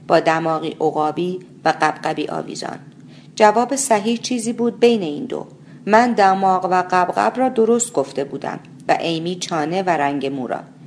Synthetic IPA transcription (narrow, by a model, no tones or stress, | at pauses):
b̥ɒːd̪æmɒːɣḭːʔoɣɒːbiː | væɢæbɢæbiːʔɒ̰ːvḭːzɒ̰ːn | d͡ʒævɒːbe̞sæɦiːht͡ʃʰiːziːbuːd̪̚be̞jne̞iːnd̪o̰ | mænd̪æmɒːɣvæɢæbɣæ̰brɒːd̪o̞ɾost̪̚ɡ̥o̞ft̪e̞buːd̪æ̰m | væ̰ʔejmiːt͡ʃʰɒːne̞væɾæŋɟe̞muːɾɒ̰ː